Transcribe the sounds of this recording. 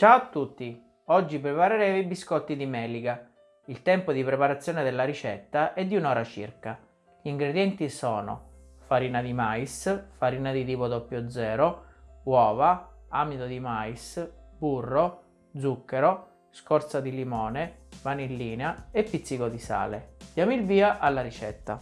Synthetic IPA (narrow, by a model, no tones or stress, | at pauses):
t͡ʃawat̪ːut̪ːi | ɔd͡ʒːipɾepaɾeɾɛːvoibiskɔt̪ːid̪imɛːliɡa | ilt̪ɛmpod̪ipɾepaɾat̪sːjɔːned̪elːaɾit͡ʃɛt̪ːaʔɛd̪ːiunɔːɾat͡ʃḭrka | ʎiːŋɡɾed̪jɛnt̪isɔːno̰faɾiːnad̪imaisfaɾiːnad̪it̪iːpod̪ɔpːjod̪zɛːɾowɔːvaamid̪od̪imaːisburːo | d̪zukːeɾo | skɔɾt̪sad̪ilimɔːnevanilːiːneaepːit̪sːikod̪isa̰ːlḛd̪̥jamilviːaʔalːaɾit͡ʃɛ̰t̪ːa̰